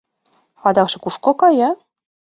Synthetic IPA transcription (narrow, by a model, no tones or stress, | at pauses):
ɑd̪ɑkʃɤ̆kuʃkokɑjɑ